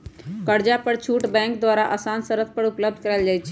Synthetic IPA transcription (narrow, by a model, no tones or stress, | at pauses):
kəɾd͡ʒapəɾt͡ʃʰuʈbɛ̃ŋkd̪waɾaʔəsansəɾət̪̚ʰpəɾupləb̚d̪ʱkəɾɛld͡ʒajt͡ʃʰɛ